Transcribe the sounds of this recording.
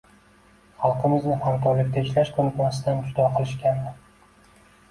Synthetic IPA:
χɑlˠqʰɨmɪznɪhamt̪ɒɾlɪk̚ʲt̪ʰaɪʃlaʃkʰɵnɪt̪masɪd̪and͡ʒʊd̪ɒqʰɨlˠɪʃkʲand̪ɪ

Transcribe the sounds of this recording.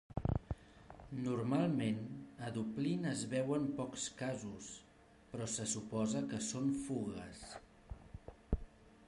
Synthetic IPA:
nurmalˠmenəðuplinəzβɛwəmpɔkskazus | pɾɔsəsupɔzəkəsonfuɣəs

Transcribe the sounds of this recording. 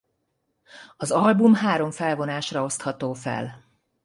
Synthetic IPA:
ɒzɒlbumɦaːɾo̞ɱfɛlvo̞naːʃrɒo̞st̪hɒt̪oːfɛ̰l

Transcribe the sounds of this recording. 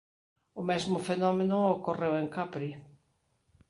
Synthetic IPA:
ʊmezmʊfenɔmenʊokoreweŋkapɾi

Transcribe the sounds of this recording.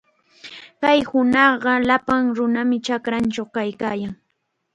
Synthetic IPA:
kajhʊnɑɢɑlapaŋɾʊnamɪt͡ʃakɾant͡ʃawkajkaːjaŋ

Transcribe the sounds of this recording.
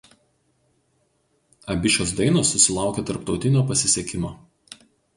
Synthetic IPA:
ɐbʲɪʃʲoːs̬d̪ɐɪnoːsːʊsʲɪlˠɑˑʊkʲeːt̪ɐɾpt̪ɒʊt̪ʲɪnʲoːpɐsʲɪsʲɛkʲɪmoː

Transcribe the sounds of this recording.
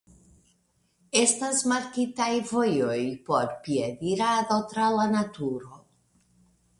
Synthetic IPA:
e̞stasmaɾkitajvojojpo̞ɾpied̪iɾado̞t̪ɾalanat̪uɾo̞

